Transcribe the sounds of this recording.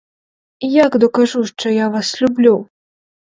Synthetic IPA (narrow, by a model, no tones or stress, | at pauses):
ijaɡd̪ɔkaʐuʂt̪ɔjavaslʲublʲu